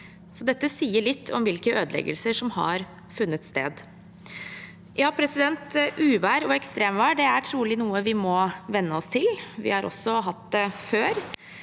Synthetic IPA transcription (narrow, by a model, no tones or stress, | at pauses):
sɔd̪ɛt̪ːəsiːəɭɪt̪ʰːɔmʋɪlkəøːd̪lɛ̰ɡə̰lsəʂɔmhɑ̰ɾ | fʉnːət̪st̪ḛːd̪ | jɑːpʰɾɛsɪd̪ɛnt̪ʔʉːʋæːɾɔɛkst̪ɾeːmʋæːɖɛæʈʰɾuːlɪnuːəʋɪmɔʋɛnːəɔst̪ʰɪlʋɪ̰hɑɾʔɔ̰sːɔɦɑt̪d̪ɛføːɾ